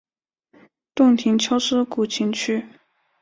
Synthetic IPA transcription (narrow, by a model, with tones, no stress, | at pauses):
t̪ʊ˥˩ŋt̪ʰi˧˥ŋt͡ɕʰjo˥ʊʂɻ̩˥ku˨˩t͡ɕʰi˧˥ŋt͡ɕʰy˥